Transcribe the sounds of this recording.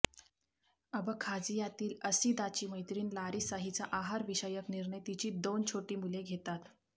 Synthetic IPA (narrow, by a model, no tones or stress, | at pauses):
əbəkʰad͡zijat̪iːləsid̪at͡ɕiːməjt̪ɾiːnlaɾisaɦit͡saʔaɦaɾʋiɕəjəkniɾɳət̪it͡ɕiːd̪ont͡ɕʰoʈiːmuleɡʱet̪at̪